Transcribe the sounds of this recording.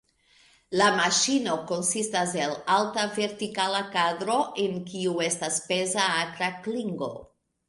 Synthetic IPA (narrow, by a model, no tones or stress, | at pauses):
lamaʃino̞ko̞nsistas̬e̞laltave̞ɾtikalakadɾo̞ʔenkiue̞staspe̞zaakɾakliŋɡo̞̰